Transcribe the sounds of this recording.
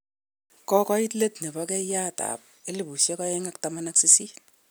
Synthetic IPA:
kɔ˦kɔ˦i˦tle˦tne˨bɔ˦kɛ˦ja˦ta̰˨p̚e˦li˦˨bu˨sje˦kɔ˦e˦ŋa˦k̚ta˨ma˦na˦ksi˦si˦

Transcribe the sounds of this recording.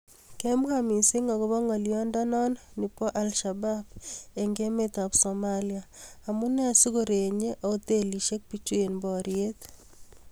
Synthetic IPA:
ke˦mwami˨si˦ŋɔ˨ɣo˦βɔ˦ŋɔ˨liɔ˦ndɔ˦nɔ˦nni˨pɔ˦ʔa˨lʃa˨ba˦be˨ŋɡe˦met̪a˨bsomaliaː˨mu˦ne˦a˨si˦ɣoɾe˨ɲe˦ʔoo˦t̪e˦li˨ʃe˦k̚pit͡ʃu˦e˨nbɔ˨ɾjet̪

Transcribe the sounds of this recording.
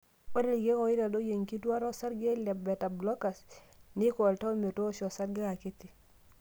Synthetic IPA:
ɛ˦ɾe˦lɡe˦kɔ˨˦ɪ˦ɾa˨do˦je˨ŋki˦twa˦ɾɔ˦sa˦ɾɡe˦lɛ˨bɛ˨ta˨blɔ˦ka˨s | nɪ˦kɔ˨lta˦o˦me˨to˦ʃɔ˨sa˦ɾɡe˦a˨kɪ˦tɪ˨

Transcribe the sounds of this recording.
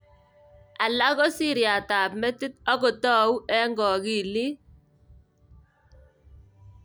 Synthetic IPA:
a˨la˦ɣɔ˦si˦˨ɾja˨taː˨pmɛ˦tɪ˦t̚ɔ˦kɔ˨tɔ˦u˦ɛ˦ŋɡɔ˨ki˦˨li˦

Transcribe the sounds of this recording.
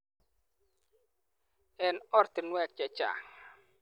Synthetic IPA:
ɛ˨nɔ˦ɾt̪ɪ˨nwɛ˦˨k̚t͡ʃa˨t͡ʃa̰˨ŋ

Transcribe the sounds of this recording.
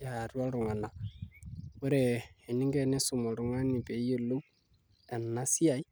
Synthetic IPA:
ja˨ɾwa˦ɾu˨ŋa˨na˨ | ku˦ɾe˨e˨ni˦ŋɡe˦ne˦su˨mo˨ɾu˨ŋa˦ni˨pe˨˦je˦˨lo˦ | a˨nːa˦si˦a˨i˦

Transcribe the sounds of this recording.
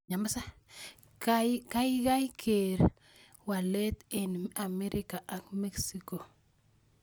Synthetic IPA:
ɲa˨ma˦sa˦ | kajka˦jɡa˦jkʰe˨ɾ | wa˨le˦t̪ɪ˨na˨mɛɾʔika˨ʔa˨kmɛ˦ksiko˨

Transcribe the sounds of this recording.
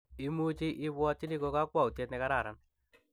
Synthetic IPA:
i˦mu˦t͡ʃi˦ʔɪ˦βwɔ˦ti˦li˦ko˧ka˦kwa˦˨u˨te˦tnɛ˨ka˦ɾa˨ɾa˦n

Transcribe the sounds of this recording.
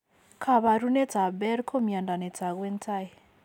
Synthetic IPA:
kʰa˨βa˨ɾu˦nɛ˦t͡sa˨bɛ˦ɾkʰo˦mia˨nda˨nɛ˨t͡sa˨kwɛ˦ntʰa˦j

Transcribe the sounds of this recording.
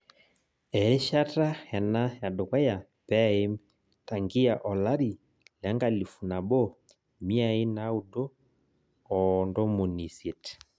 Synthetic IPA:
ɛ˨ɾe˦ʃa˦ta˦hɛ˨na˦ja˨do˨kwa˦ja˨ | pɛ˦e˦m | ta˨ŋɡi˦a˨ʔɔ˨la˦ɾi˨ | la˨˦ŋɡa˨li˨fu˨na˨bɔ˦ | mi˦a˨i˦na˦u˨dɔ˦ | ɔndɔ˦mu˨ni˨se˨t

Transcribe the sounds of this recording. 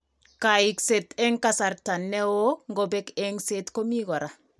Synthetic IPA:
ka˨i˨kse˨tɛ˦ŋka˦sa˨ɾta˨nːɛ˦wo˦ŋɡo˨be˦ke˦ŋse˦tko˦mi˦ɡɔ˨ɾa˨

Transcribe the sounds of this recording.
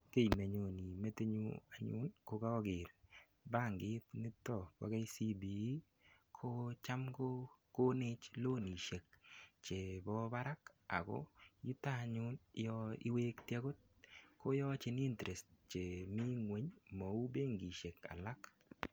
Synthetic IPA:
ke˦˨jme˨ɲo˨ni˨me˦te˦ɲṵ˦a˨ɲʊ̰˦nko˦ka˦ɡɪ˨ɾ | ba˦˨ŋɡɪ˦tni˦tɔ˨wa̰˦ɡa˦jsi˦bi˨˦ | kʰo˦t͡ʃa˦mko˦ko˦ne˦t͡ʃlo˦ni˨ʃe˨k̚t͡ʃe˨bɔ˦ba˦ɾa˦ka̰˨ɡɔ̰˦ju˦ta˦˨ɲʊ˦njɔḭ˦we˦ktja˦ɡo˦t̚ | ko˦jɔ˦t͡ʃɪ˦ni˦ntɾe˨stt͡ʃe˨mi˦ŋwe˨˦ɲmo˨u˦beː˦ŋɡi˨ʃe˨ka̰˨la˦k

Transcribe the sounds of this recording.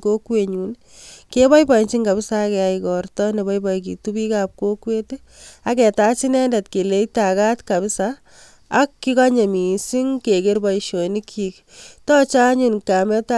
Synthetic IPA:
ko˦kweɲu˨n | kebɔ˦jpɔ˨i˨nt͡ʃi˦ŋka˨bɪsakɛaikɔrtɔne˨bɔ˦jbɔjk̬i˨tubi˦kap̚kokwe˦te | a˨kɛ˨tat͡ʃi˦nɛnda˨tke˨le˦itaka˦tkabɪsaː | kːi˦ka˦ɲe˨mi˨si˦ŋke˨ke˦rbɔiʃo˨ni˦kʰik | tɔ˦t͡ʃa˦ɲunka˨mɛ˦ta

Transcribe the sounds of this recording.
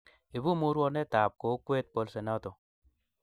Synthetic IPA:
e˨bu˦mu˦ɾwɔ˧nɛ˦ta˨p̚ko˨˦kwe˦t̚po˧lse˨na˦to˨

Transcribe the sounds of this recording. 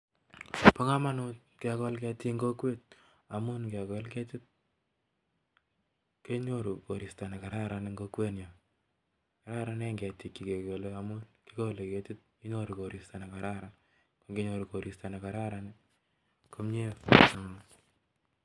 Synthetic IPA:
po˦ŋa˦ma˦nu˦t̚ | kea˨kɔ˦lkɛ˧ti˦ŋɡo˦kwe˦t̚ | a˨mu˦nkɛkɔ˦lkɛ˦ti˦t̚ | ke˦ɲo˦ɾu˨ko˨ɾi˨sta˨na˨ka˨ɾa˦ɾa˨niŋɡo˦kwe˦nja˨ | ka˨ɾa˦ɾa˦n˦a˦ŋɡɛ˨ti˨kːi˨ke˨ko˨lea˨mu˦nki˦ko˦le˨kɛ˨ti˦t̚ki˦ɲo˦ɾu˨ko˨ɾista˨na˨kaɾa˦ɾan | ko˦ŋɡe˦ɲoɾu˨ko˨ɾʔi˨sta˨na˨ka˨ɾa˦ɾani˦ | ko˦mɲe˦

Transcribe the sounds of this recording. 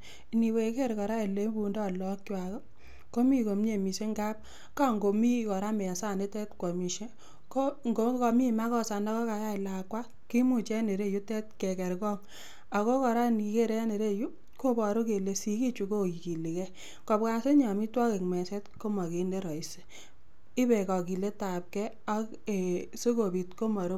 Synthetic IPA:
ni˨we˨ke˦ɾkɔ˨ɾa˦e˨le˦bu˧ndɔ˦˨lɔ˦kja˨kɔ˦ | ko˦mi˦ko˨mɲe˨mi˨se˦ŋɡa˦p̚ | ka˦ŋɡo˨mi˦kɔ˨ɾa˦mɛ˨a˨sa˦˨ne˦tɛ˦tkɔ˨mi˨ʃe˦ | ko˦ŋɡo˨˦kɔ˧mi˦˨ma˦kɔ˦sa˨na˦kɔ˦ka˨ja˦ɪ˨la˨kwa˦ | ki˦mu˦t͡ʃɛ˦ne˨ɾe˦˨ju˦tɛ˦tke˨kɛ˨ɾkɔ˦ŋ | a˨ko˦kɔ˨ɾa˦ni˨ke˦˨ɾɛ˦ne˨ɾe˦˨ju˦ | ko˦bɔ˨ɾo˦ke˨le˨˦si˨ki˦t͡ʃu˨˦ko˦ki˨ki˨li˨kɛ˦ | kɔ˨pka˦se˦ɲa˨mi˦twɔ˦ke˨kmɛ˨sɛ˦tko˦mɔ˨ke˨nde˦ɾɔ˨i˨se̥˦ | ɪ˦bɛ˨kɔ˨ki˨le˦ta˨p̚kɛ˦ | a˦ | e˨so˦ko˨bi˨tko˦mɔ˨ɾo˦

